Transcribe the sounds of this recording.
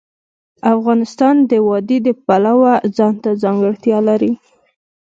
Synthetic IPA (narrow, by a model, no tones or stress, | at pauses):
afɣɑnɪst̪ɑnd̪əwɑd̪id̪əpalawazɑnt̪azɑŋɡəɽt̪jɑlaɾi